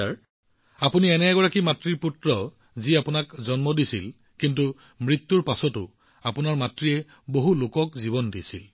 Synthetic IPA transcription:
aɹ | apuniɛnɛɡɔɹakimatɹiɹputɹɔ | ziapʊnakzɔnmɔdisḭl | kintu | mɹit̪ːuɹpasɔtʊ | apʊnaɹmatɹijɛ | boɦulokɔkzibɔndisḭl

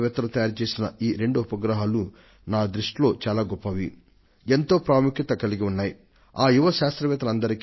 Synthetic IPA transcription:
ʋɛːt̪ɐlut̪ɐjaːɾt͡ʃe̞ːsinɐiːɾe̞ɳɖuupɐɡɾɐɦaːlu | naːd̪ɾuʂʈlo̞ːt͡ʃaːlaːɡɔpːɐʋi | e̞nt̪o̞ːpɾaːmukjit̪ɐkɐliɡiunːaːji | aːjuʋɐʃaːst̪ɾɐʋɛːt̪ɐlɐnd̪ɐɾik

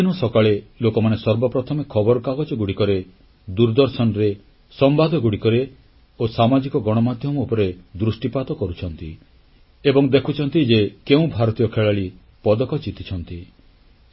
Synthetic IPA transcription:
inɔsɔkaɭelokɔmanesɔɾbɔpɾɔt̪ʰɔmekʰɔbɔɾɔkaɡɔd͡ʒɔɡuɽikɔɾe | d̪uɾd̪ɔɾsɔnɾe | sɔmbad̪ʱɔɡuɽikɔɾe | osamad͡ʒikɔɡɔɽ̃ɔmad̪ʱjɔmɔupɔɾed̪ɾusʈipad̪ɔkɔɾut͡ʃʰɔnt̪i | ebɔŋd̪ekʰut͡ʃʰɔnt̪id͡ʒekeũbʱaɾɔt̪ijɔkʰeɭaɭi | pɔd̪ɔkɔt͡ʃit̪it͡ʃʰɔnt̪i

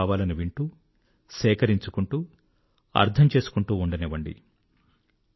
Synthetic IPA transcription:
ʋaːlɐnuʋiɳʈuː | sɛːkɐɾiɲt͡ʃukuɳʈuː | ɐ̰ɾt̪ʰɐmt͡ʃe̞ːsu̥kuɳʈuːuɳɖɐneʋɐɳɖḭ

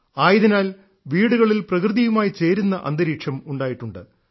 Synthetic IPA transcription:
aːjiðinaːl | ʋiːɽuɣɐɭilprɐkrɨðijumaːjit͡ɕe̞ːɾunːɐʔɐ̰nd̪ɐɾiːʂɐmuɳɖaːjiʈːuɳɖɨ̰

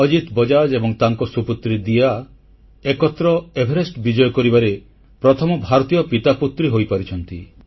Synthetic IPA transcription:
ɔd͡ʒit̪bɔd͡ʒad͡ʒebɔŋt̪aŋkɔsuput̪ɾid̪ija | ekɔt̪ɾɔebʱeɾesʈbid͡ʒɔjɔkɔɾibaɾe | pɾɔt̪ʰɔmɔbʱaɾɔt̪ijɔpit̪aput̪ɾiɦojpaɾit͡ʃʰɔnt̪i

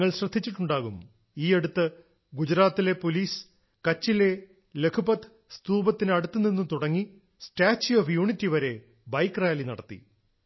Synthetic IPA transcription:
ɐɭɕrɐd̪ʱːit͡ɕːiʈːuɳɖaːɣum | iːe̞ɽut̪ːɨ | ɡud͡ʑɾaːt̪ːile̞poliːs | kɐt͡ɕːile̞ | le̞kʰupɐt̪ɨ̥ | st̪uːbɐt̪ːinɐɽut̪ːɨninːut̪uɽɐŋːi | sʈaːt͡ɕːoːfjuːɳitːiʋɐɾe̞ | bɐjkːraːlinɐ̰ɽɐt̪ːḭ

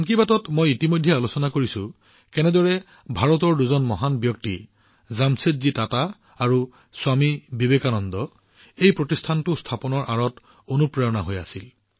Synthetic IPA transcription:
aŋkibatɔtmojitimojdʱjɛalusɔnakoɹisʊ | kɛnɛdɔɹɛ | bʱaɹɔtɔɹduzɔnmɔɦanbjɔk̚ti | zamsetzitataː | ɹu | swamibibekanɔndɔ | ejpɹotistʰantʊstʰapɔnɔɹʔaɹɔt | onupɹɔjɔna̰ɦoja̰sil

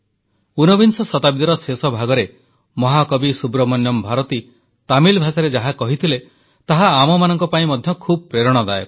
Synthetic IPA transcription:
unɔbinsɔsɔt̪abid̪ɔɾɔsesɔbʱaɡɔɾe | mɔɦakɔbisubɾɔmɔnjɔmbʱaɾɔt̪i | t̪amilbʱasaɾed͡ʒaɦakɔɦit̪ʰile | t̪aɦaːmɔmanɔŋkɔpaĩmɔd̪ʱjɔkʰub̚ɔpɾeɾɔɽ̃ɔd̪ae

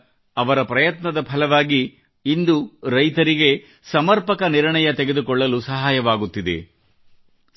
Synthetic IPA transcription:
ɐʋɐɾɐpɾɐjɐt̪nɐd̪ɐpʰɐlɐʋaːɡiː | nd̪uɾɐjt̪ɐɾiɡe̞ | sɐmɐɾpɐkɐniɾɳɐjɐt̪e̞ɡe̞d̪ukɔɭːɐlusɐɦaːjɐʋaːɡut̪ːid̪e̞̰

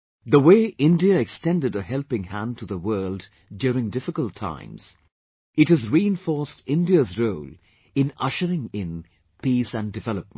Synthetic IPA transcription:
ðəweɪʔɪ̃ndiəɛkstɛ̃ndɨɾəhɛlpɪ̃ŋhæ̃n̚tʰəðəwɜːld | djʊːɾɪ̃ŋdɪfɪkəlˠtʰã̰ɪ̃mz̥ | ɨthɨzɹiɨ̃nfɔɹstɪ̃ndiəzɹoʊl | ɨ̃nʌ̰ʃəɾɪ̃ŋɪ̃n | pʰisæ̃ndɨvɛləp̚mə̃n

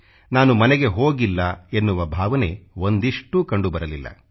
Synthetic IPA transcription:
naːnumɐneɡe̞ɦo̞ːɡilːɐenːuʋɐbʱaːʋɐne̞̰o̞nd̪iʂʈuːkɐɳɖubɐɾɐlilːɐ̰

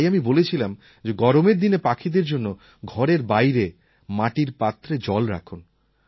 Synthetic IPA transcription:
jamibolet͡ɕʰilam | d͡ʑeɡɔɾomeɾd̪inepakʰid̪eɾd͡ʑonːo | ɡʱɔɾeɾbajɾe | maʈiɾpat̪ːɾed͡ʑɔlɾa̰kʰun

